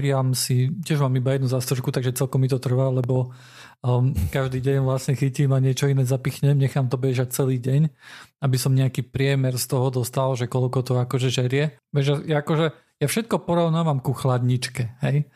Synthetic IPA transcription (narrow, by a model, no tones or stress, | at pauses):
ɾɪamsicɪɛʒmaːmibajɛd̪nuzast̪ɾuʃkut̪aɡʒɛt͡sɛlkɔmːit̪ɔt̪r̩ʋaːlɛbɔ | kaʒd̪iːɟɛɲʋlasɲɛxicimaɲɪɛt͡ʃɔinɛzapixɲɛmɲɛxaːmt̪ɔbɛʒac̚t͡sɛliːɟɛɲabisɔmɲɛakiːpɾɪɛmɛɾst̪ɔɦɔd̪ɔst̪alʒɛkɔlkɔt̪ɔakɔʒɛʒɛɾɪɛʋɛʒjajaːkɔʒɛ | jafʃɛt̪̚kɔpɔɾɔʊnaːʋamkuxlad̪ɲit͡ʃkɛɦɛj